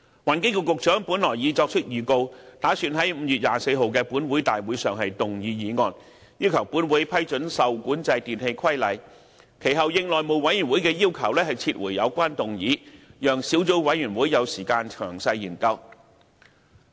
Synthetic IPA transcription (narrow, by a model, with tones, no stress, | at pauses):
waː˨˩nkɪ˥ŋkɛ˧kʊ˨k̚t͡ʃœː˨˥ŋpu˨˥nlɔː˨˩jjiː˨˧t͡sɔː˧k̚t͡ʃʰɵ˥t̚jyː˨˧ko˧wt̪aː˨˥syː˧nɦɐ˨˥jm̩˨˧jyː˨t̚jaː˨˩se˧jɦo˨˧wkɛː˧puː˨˥nwuː˨˥jt̪aː˨jwuː˨˥jsœː˨ŋɦɐ˨jt̪ʊ˨ŋjiː˨˧jiː˨˧ŋɔː˨˧n | jiː˥wkʰɐ˨˩wpuː˨˥nwuː˨˥jpʰɐ˥jt͡ʃɵ˨˥nsɐ˨wkuː˨˥nt͡sɐ˧jt̪iː˨nhe˧jkʰɐ˥jlɐ˨˩j | kʰe˨˩jɦɐ˨wjɪ˧ŋlɔː˨˩jmo˨˧wwɐ˨˥jy˨˩nwu˨˥jkɛː˧jiː˥wkʰɐ˨˩wlɛː˥hɐ˨jt͡sʰiː˧t̚wʔṵ˨˩jjɐ˨˧wkʷaː˥nt̪ʊ˨ŋjiː˨˥jœː˨ŋsi˨˥wt͡so˨˥wwɐ˨˥jyː˨˩nwuː˨˥jjɐ˨˧wsiː˨˩kaː˧nt͡ʃʰœː˨˩ŋsɐ˧jjiː˨˩nkɐ˧w